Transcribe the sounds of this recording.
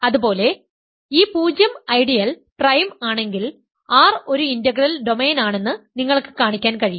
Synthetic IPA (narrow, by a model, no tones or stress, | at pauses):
ɐðubo̞ːle̞ | iːpuːd͡ʑjɐmɐjɖijɐl | prɐjmaːɳe̞ŋɡil | aːro̞ɾuindɐɡrɐlɖo̞me̞ːnaːɳe̞nːɨniŋːɐɭkːɨ̥kaːɳikʲːaːnkɐɻijːu